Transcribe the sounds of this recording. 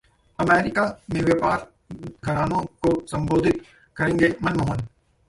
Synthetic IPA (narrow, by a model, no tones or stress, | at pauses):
ɐmeːɾɪkaːmẽʋjeːpaːɾ | ɡʱəɾaːnõkosɐ̃mboːd̪ʱɪt̪ | kɐɾẽːŋɡemɐnmoːɦɔl